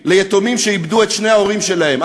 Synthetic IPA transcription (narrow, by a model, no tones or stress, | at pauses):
lejet̪omimʃeibd̪uet̪ʃne̞hao̞ʁimʃelahe̞m